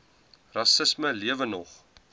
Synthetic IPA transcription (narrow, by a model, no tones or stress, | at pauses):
rɑsəsməliəvənɔχ